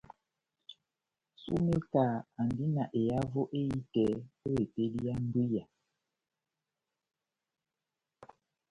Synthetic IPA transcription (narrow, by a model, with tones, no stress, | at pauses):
sṵ˦me˦ka˨a˨ndi˦na˨ʔe˨ja˦vo˦ʔe˦i˦tɛ˨˦o˦e˨pe˦di˦ja˦n˦du˦ja˨